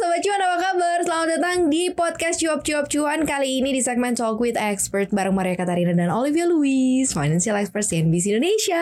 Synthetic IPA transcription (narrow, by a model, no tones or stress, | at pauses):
sabat͡ʃuanapakabarsəlamat̪̚dat̪aŋdipɔd̪̚kɛst̪d͡ʒuwap̚t͡ʃuwap̚t͡ʃuankaliːnidisɛk̚mɛnsɔlkwɪt̪ɛkspərt̪̚baɾaŋmaɾijakat̪aɾinadanɔlivialuisfajnansialɛkspərt̪siɛnbis̬indoneʃia